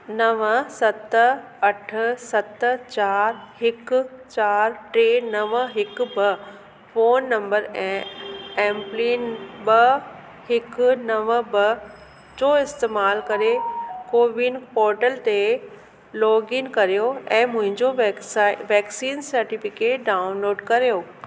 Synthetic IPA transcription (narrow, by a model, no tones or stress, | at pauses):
nɐʋəsɐt̪ | ɐʈ̆ʰsɐt̪t͡ɕaːɾhɪkʊ̆t͡ɕaːɾʈɾeːnɐʋəɦɪkbə | foːnːɐ̃mbəɾɛ̃ːɛ̃ːmpliːnbɐ | hɪknɐʋəbɐ | d͡ʑoːɪst̪eːmaːlkɐɾekoːʋinpɔːɾʈəlt̪e | lɔːɡɪnkɐɾijoɛ̃ːmʊ̃ɦɪ̃ɲd͡ʑo | ʋɛːksiːnsɐɾʈifɪkeːʈɖaːʊnloːɖkɐɾijoː